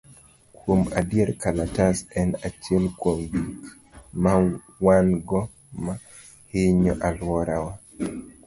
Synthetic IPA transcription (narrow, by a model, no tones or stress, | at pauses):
kwoma̰djɛɾkalatasɛnat͡ʃelkwomɡik | ma | wanɡɔ | ma | hɪɲɔʔalwɔɾawa